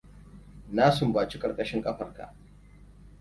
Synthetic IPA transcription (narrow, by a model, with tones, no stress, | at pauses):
naː˦sʊ˨mbaː˨t͡ʃi˦kʼɐ˨kʼɐ˦ʃɪ˦ŋkʼɐ˦ɸɐ˨rka̰˨ʔ